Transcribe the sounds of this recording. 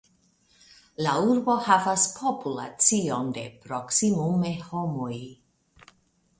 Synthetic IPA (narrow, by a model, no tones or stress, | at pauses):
lauɾbo̞havaspʰopula̰t͡sionde̞̰pɾoksimumehomoj